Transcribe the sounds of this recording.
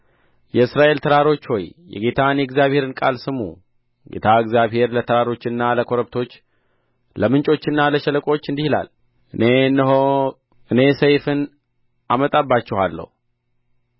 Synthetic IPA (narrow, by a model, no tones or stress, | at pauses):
jɛɨsɾaʔe̞lt̪ʰəɾaɾo̞t͡ʃːho̞jːɛ̰ɡe̞t̪ʰanjɛɡzjaβhe̞ɾɨnkʼalsɨmṵ | ɡe̞̰t̪ʰaɨɡzjaβhe̞ɾlət̪ʰəɾaɾo̞t͡ʃːɨnːaləkʰoɾəβt̪ʰo̞t͡ʃː | ləmɨnt͡ʃʼo̞t͡ʃːɨnːaləʃɛləkʼo̞t͡ʃːɨnd̪ihila̰l | ʔɨne̞ɨnːəɦo | ɨne̞səjfɨn | amət̪ʼabːat͡ʃːɛhalːə̰hu